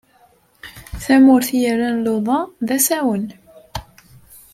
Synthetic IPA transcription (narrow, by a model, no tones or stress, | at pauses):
θæmʊɾθjəɾːænloðˤɑðæsæwən